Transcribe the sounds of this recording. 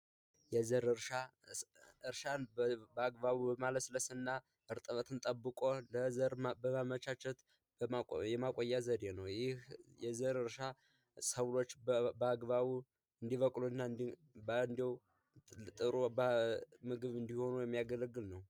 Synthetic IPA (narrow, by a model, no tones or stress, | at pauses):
jɛzəɾɨɾʃa | ʔɨɾʃanbəaɡbaβubəmaləsləsɨnːa | ɨɾt̪ʼəβət̪ʰɨnt̪ʼəbːɨkʼoləzəɾbəamət͡ʃat͡ʃːɛt̪ | jɛmakʼojːazəɾenəwjɪhjɛzəɾɨɾʃa | səwlo̞t͡ʃːbəaɡbaβu | ɨnd̪iβəkʼluɨnːaɨn | bɨnd̪iw | t̪ʼɨɾubəmɨɡɨβɨnd̪iho̞nujɛmːijaɡələɡːɨlnəw